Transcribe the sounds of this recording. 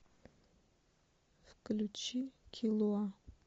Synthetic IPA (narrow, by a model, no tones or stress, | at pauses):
fklʲut͡ʃʰikʲʰilˠoa